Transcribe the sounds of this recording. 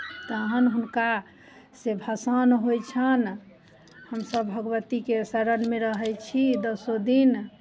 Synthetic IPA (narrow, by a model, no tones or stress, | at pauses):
t̪ːɦənɦunka | sebʱəsənɦojt͡ʃʰən | həmsəbʱəɡwət̪ikesəɾənmeɾəɦɛjt͡ʃʰid̪əsod̪in